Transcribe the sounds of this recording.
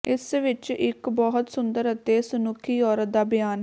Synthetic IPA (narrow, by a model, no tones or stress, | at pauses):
ɪsʋɪt͡ʃɪkbɔɦʊt̪sʊnd̪əɾət̪eːsənʊkʰːiːɔːɾət̪̚d̪aːbɪjaːn